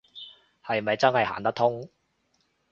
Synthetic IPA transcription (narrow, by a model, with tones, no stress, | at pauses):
hɐ˨jmɐ˨jt͡sɐ˥nhɐ˨jha̰ː˨nt̪ɐ˥k̚t̪ʰʊ˥ŋ